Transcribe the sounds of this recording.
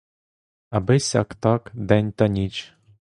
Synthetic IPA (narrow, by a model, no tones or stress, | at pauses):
ɐbɪsʲɑ̰kt̪ɑkd̪ɛnʲt̪ɐnʲit͡ʃ